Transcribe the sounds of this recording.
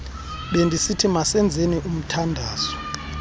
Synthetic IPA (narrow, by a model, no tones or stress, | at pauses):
ɓendʱisitʰimasɛnd͡zʱeniʔum̩tʰandʱaːz̥ɔ